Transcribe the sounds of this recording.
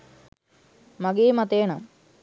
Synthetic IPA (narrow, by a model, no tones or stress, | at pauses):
mɐɡeːmɐt̪eːnam